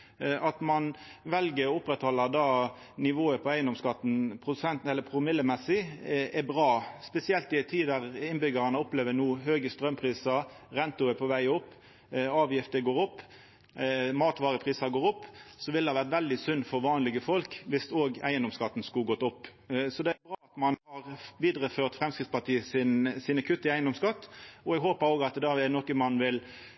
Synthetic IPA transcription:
ʔɑt̪mɑnʋɛlɡəɾɔʊpːɾɛt̪hɔlːəd̪ɑː | nɪʋoːəpʰɔæɪənd̪ɔmskɑt̪ːn̩pʰɾʊd̪ʉsɛnt̪ɛlːəpʰɾʊmɪlːəmɛsɪɛbʁɑːspɛsɪɛlt̪ɪɛɪt̪ʰːiːd̪æʁɪnbʏɡɑɾɑnəɔpleːʋənuːɦøːɡəst̪ɾœmpʰʁiːsɑɾɛnt̪ʊɛpʰɔʋæɪɔpː | ɑːʋjɪft̪əɡoːɾʊpː | mɑːt̪ʋɑːʁəpʰʁiːsɑɡoːɾʊpːsɔʋɪld̪ɛhɑʋæʁt̪ʋɛld̪ɪsʉnːfɔɾʋɑːnlɪɡəfɔlkʋɪst̪oːɡæɪənd̪ɔmskɑt̪ːn̩skuɡɔt̪ːʊpː | sɔd̪ɛæbɾɑːɑt̪mɑnhɑʁʋiːd̪ʁəføːʁt̪fɾɛmskʁɪt̪spɑt̪ʰiːəsɪnsɪnɑkʰʉt̪ːɪæɪənd̪ɔmskɑt̪ːɔɛɡɦoːpəɾoːɡɑt̪d̪ɑɛnɔkəmɑnːʋɪl

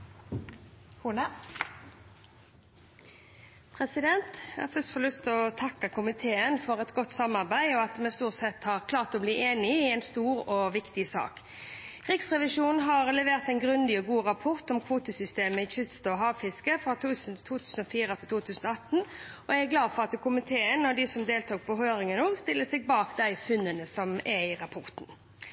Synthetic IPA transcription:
huːnə | pʰʁɛsɪd̪ɛnt̪jæ̰hɑːfœst̪fɔlʉst̪ʰɔt̪ʰɑkːəkʰʊmɪt̪ʰeːənfɔʁɛt̪ɡɔt̪ːsɑmːɑʁbæɪɔɑt̪mɛst̪uːʁt̪sɛt̪hɑʁkʰlɑːʁt̪ɔːbliːʔeːnɪɪɛɪnst̪uːɾoːʋɪkt̪ɪsɑ̰ːkʰ | ɾɪksʁɛʋɪʂuːnn̩ɦɑɾlɛʋeːɾt̪æɪnɡɾʉnd̪ɪɔɡuːɾɑpʰɔʁt̪ɔmkʰʋuːt̪əsʏst̪eːməɪçʏst̪ɔɦɑːʋfɪskəfɾɑt̪ʰʉːst̪ʰuːt̪ʰʉːsən̩ɔfiːɾət̪ʰɪlt̪uːt̪ʰʉːsnɔɑt̪ːnɔææɡlɑːd̪fɔʁɑt̪kʰʊmɪt̪ʰeːənɔd̪ɪsɔmd̪eːlt̪ʰuːk̚pʰɔɦøːɾɪŋənoːɡst̪ɪlːəsɛɡ̚bɑːkd̪æɪfʉnːənəsɔmʔɛɪɾɑpʰɔɾt̪n̩

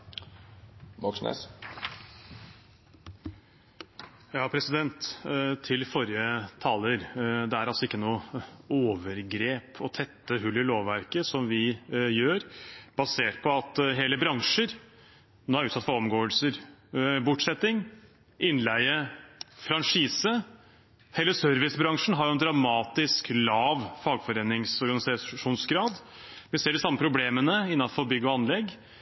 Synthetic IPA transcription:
mɔksnḛs | jɑːpʰɾɛsɪd̪ɛnt̪t̪ʰːɪlfɔɾjət̪ʰɑːləɾd̪ɛæɾɑlsɔɪkːənuːoːʋəɾɡɾeːpʰɔt̪ʰɛt̪ːəɦʉlːɪloːʋʋæɾkəsɔmʋɪjøːɾb̥ɑseːʈ̚pʰɔɑt̪ɦeːləbɾɑŋʂəɾ | noːæɾʉːsɑt̪fɔɾɔmɡoːəlsəɾbʊʈsɛt̪ːɪŋ | ʔɪnlæɪəfɾɑnʂiːsə | hɛlːəsœɾʋɪsbɾɑŋʂn̩ɦɑɾjʊɛnd̪ɾɑmɑːt̪ɪsklɑːʋfɑːɡfɔɾeːnɪŋsɔɾɡɑnɪsɑʂuːnsɡɾɑːd̪ | ʋɪseːɖɪsɑmːəpʰɾʊbleːmənəɪnːɑnfɔɾbʏɡːɔɑnlɛɡ

